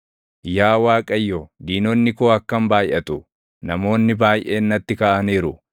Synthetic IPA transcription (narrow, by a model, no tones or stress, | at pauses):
jaːwaːkʼɐjːod̪iːnɔnːɪkoːɐkːɐmbaːjʔɐt̪ʊ | nɐmo̞ːnːɪbaːjʔeːnːɐt̪ːɪkaːʔɐniːɾʊ